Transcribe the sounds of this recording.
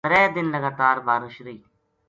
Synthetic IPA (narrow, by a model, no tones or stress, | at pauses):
ɾɛːd̪ɪnləɡaːt̪aːɾbaːɾʊʃɾəiː